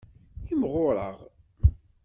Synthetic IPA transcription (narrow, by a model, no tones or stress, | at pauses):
imʁʊɾˤə̰ʁ